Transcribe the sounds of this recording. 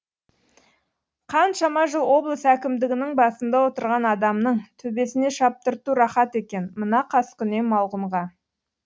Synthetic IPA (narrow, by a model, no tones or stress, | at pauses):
qʰɑnʃɑmɑʒəlˠwo̞blˠəsækʲɪmd̪ɪɡʲɪnɪŋbɑsənd̪ɑwo̞t̪əɾʁɑnɑd̪ɑmnəɴt̪ʰɵbe̞sɪne̞ʃɑp̚t̪əɾt̪uɾɑχɑt̪e̞kʲe̞nmənɑqʰɑskʲʰʏne̞mɑlˠʁəmʁɑ